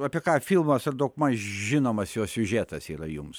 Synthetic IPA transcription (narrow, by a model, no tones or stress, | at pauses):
ɑːpʲiɛkɑːfʲilˠmɐsɐrd̪okmɐʒʲɪnoːmɐsjoːssʲʊʒʲæt̪ɐsiːɾɐjʊms